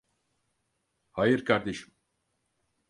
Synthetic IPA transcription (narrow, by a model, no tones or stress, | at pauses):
hajɯɾkʰaɾd̪e̞ʃim